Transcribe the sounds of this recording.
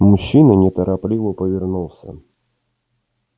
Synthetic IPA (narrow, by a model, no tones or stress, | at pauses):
mʊɕːinənʲɪt̪əɾʔaplʲivəpəvʲɪrnulˠsʲə̰